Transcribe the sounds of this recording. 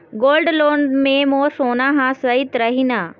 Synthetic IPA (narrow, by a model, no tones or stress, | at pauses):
ɡoːlɖloːɳɖmẽmoːsoːnaɦãsəit̪ɾəɦinaː